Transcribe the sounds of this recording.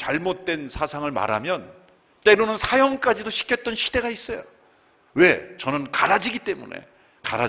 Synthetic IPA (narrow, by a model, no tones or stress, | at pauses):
t͡ɕaɭmot̚t͈we̞nsʰasʰaŋɯɭma̰ɾa̰mjʌn | t͈e̞ɾonɯnsʰajʌŋk͈ad͡ʑidoɕʰi̥kʰjʌt̚t͈ʌnɕʰid̥e̞ɡais͈ʌjo | we̞t͡ɕʌnɯnkaɾad͡ʑiɡit͈e̞munḛ | kaɾa